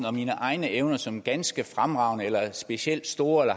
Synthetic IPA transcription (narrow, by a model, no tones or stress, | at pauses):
ɒ̽miːnəʔɑ̈ɪnəʔeʊnɐsɒ̽mɡ̥ænsɡ̥əfʁamʁɑ̈ʊnəelɐsb̥e̝ɕiel̰d̥sd̥o̝ːɐelɐ